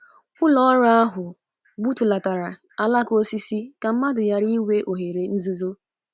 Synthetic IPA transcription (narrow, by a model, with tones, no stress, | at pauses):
ʊ˦lɔ˦ɾa˦a˦ɦʊ˨ | ɡ͡bu˦tu˨la˨ta˨ɾa˨ | a˦la˦ko˦si˦si˦ka˨m̩˦ma˦dʊ˨ja˨ɾi˦we˦ʔo˨ɦe˨ɾe˨n̩˦zu˦zo˦